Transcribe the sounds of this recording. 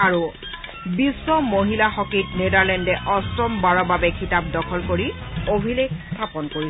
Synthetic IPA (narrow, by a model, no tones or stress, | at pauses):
aɹu | bisːɔmoɦilaxɔkitnedaɹlɛndɛʔɔstɹɔmbaɹɔbabɛkʰitap̚dɔkʰɔlkoɹiobʱilekstʰapɔnkoɹi